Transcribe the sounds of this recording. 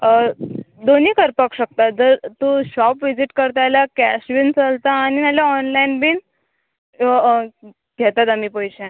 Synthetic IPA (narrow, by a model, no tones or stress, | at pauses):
d̪oniːkəɾpəkɕək̚t̪ad͡zəɾt̪uɕɔpʋid͡ziʈkəɾt̪ajlakæɕʋint͡səlt̪aːñinalaɔnlainbiːn | ɡʱɛt̪at̪amiːpəjɕɛ̃